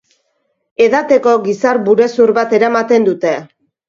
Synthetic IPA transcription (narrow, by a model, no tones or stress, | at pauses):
e̞ðat̪e̞ko̞ɣisaɾbuɾe̞suɾβat̪e̞ɾamat̪e̞nd̪ut̪e̞